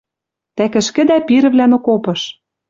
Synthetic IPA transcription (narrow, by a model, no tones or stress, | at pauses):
t̪ækɘ̆ʃkɘ̆d̪æpiɾɘ̆βlænokopɤ̆ʃ